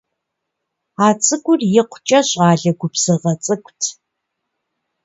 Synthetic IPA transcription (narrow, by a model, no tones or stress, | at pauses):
aːt͡sʼɨɡʷʼʊrjɪqʷʊt͡ʃʼɐɕʼaːɮɐɡʷʊpsɨʁɐt͡sʼɨkʷʰʼtʰ